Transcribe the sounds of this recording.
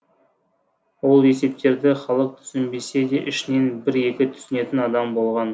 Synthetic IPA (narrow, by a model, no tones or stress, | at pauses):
wo̞lˠe̞se̞p̚t̪e̞ɾd̪ɪχɑlˠəq̚t̪ʰʏ̥sɪmbe̞se̞d̪eʔɪʃɪne̞nbɪɾe̞kʲɪt̪ʰʏ̥sɪne̞t̪ɪnɑd̪ɑmbo̞lˠʁɑn